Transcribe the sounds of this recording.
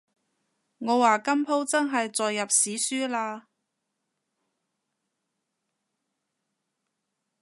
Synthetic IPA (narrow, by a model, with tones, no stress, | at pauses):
ŋɔː˨˧waː˨kɐ˥mpʰo˥wt͡sɐ˥nɦɐ˨jt͡sɔː˨jːɐ˨p̚siː˨˥syː˥laː˧